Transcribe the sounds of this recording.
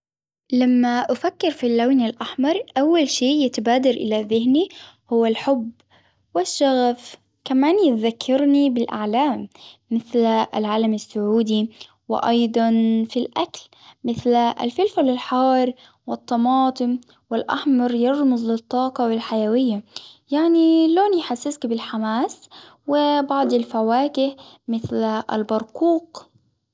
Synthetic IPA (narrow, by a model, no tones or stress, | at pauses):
lamːaʔafakːɪɾfilːawnɪlʔaħmɑɾˤʔawːalʃiːjɪt̪abaːd̪ɑɾʔɪlaðɪhni | hʊwːalħʊb | wɪʃːaɣaf | kamaːnjɪt̪ðakʰːɑɾnibɪlʔa̰ʕlaːmːɪθla̰lʕaːlamasːʊʕuːd̪i | wɪ̰ʔɑjd̪ˤɑnfilʔakl | mɪθlʔa̰lfɪlfalɪlħɑːɾˤ | wɪt̪ˤːɑmɑːt̪ˤɨm | wɪlʔa̰ħmɑɾˤjɑɾˤmʊzˤlɪt̪ˤːɑːqɑwɪlħajawɪjːajaʕniloːnjħasːɪskbɪlħamaːs | wɪbɑʕd̪ˤɪlfawaːkɪh | mɪθlʔa̰lbɑɾˤquːq